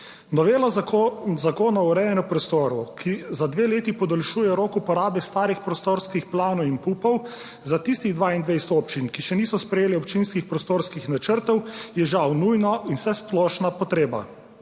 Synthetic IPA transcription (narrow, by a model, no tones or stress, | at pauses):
nɔʋeːlazakoːnauɾɛjɛnɔpɾɔst̪oːɾɔkʰizad̪ʋeːleːt̪ipɔd̪ɔlʃuːjɛɾoːkupɔɾaːbɛst̪aːɾixpɾɔst̪oːɾskixplaːnɔwinpuːpɔw | zat̪ist̪iɣd̪ʋaːind̪ʋejst̪ɔːpt͡ʃinkiʃɛniːsɔspɾɛjeːlɛɔpt͡ʃinskixpɾɔst̪oːɾskixnat͡ʃəɾt̪ɔwjɛʒawnujnɔinsɛsplɔːʃnapɔt̪ɾeːba̰